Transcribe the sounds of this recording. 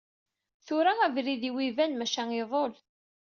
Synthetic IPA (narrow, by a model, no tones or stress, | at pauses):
θʊɾaævɾiðiwivænmæʃæŋeðˤol